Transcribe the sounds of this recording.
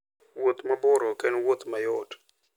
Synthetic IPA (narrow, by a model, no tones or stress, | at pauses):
wot̪mabɔɾɔkɛnwot̪majɔd